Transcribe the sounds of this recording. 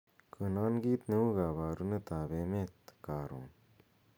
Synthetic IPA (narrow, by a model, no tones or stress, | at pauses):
kʰənaːnɡiːt̪neuɡaβaːɾunət̪aːbemet̪kaːɾõ̰ː